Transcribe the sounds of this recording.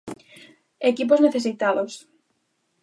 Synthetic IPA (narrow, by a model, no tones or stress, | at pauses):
ekip̬ozneθes̬it̪aðos